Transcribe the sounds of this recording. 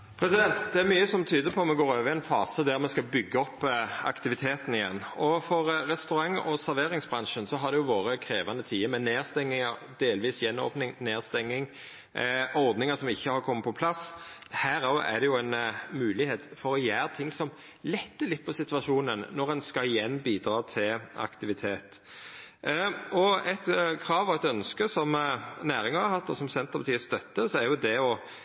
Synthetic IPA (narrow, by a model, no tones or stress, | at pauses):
pʰɾɛsɪd̪ɛnt̪d̪ɛæɾmyːəsɔmt̪ʰyːd̪əpʰɔmɛɡoːɾøːʋəɾɪɛɪnfɑːsəd̪æɾmɛskɑbʏɡːəɔpːɑ̰kt̪ɪʋɪt̪ʰeːt̪ənɪjɛ̰nːɔfɔɾɾɛst̪ʉɾɑŋɔsæɾʋeːɾɪŋsbɾɑnʂənsɔɦɑɾd̪ɛjʊʋoːɾəkʰɾeːʋɑnət̪ʰiːəmɛneːʁst̪ɛŋːɪŋɑɾ | d̪eːlʋiːsjɛnːo̰ːpnɪŋneːʁst̪ɛŋːɪŋ | ʔɔʁd̪nɪŋəsɔmɪçːəhɑɾkʰɔmːəpʰɔpʰlɑshæːɾææ̰d̪ɛjʊæɪnmʉːlɪheːt̪fɔɾɔjæːɾt̪ʰɪŋsɔm | lɛt̪ːəlɪt̪̚ːpʰɔsɪt̪ʋɑʂuːnənnɔʁɛnskɑɪjɛnːbiːd̪ɾɑːt̪ʰɪlɑ̰kt̪ɪʋɪt̪ʰeːt̪ | ɔɛt̪kʰɾɑːʋɔɛt̪œnskəsɔmnæːɾɪŋɑɑhɑt̪ːɔsɔmsɛnt̪əpɑt̪iːəst̪œt̪ːəsɔæɾjʊd̪ɛɔ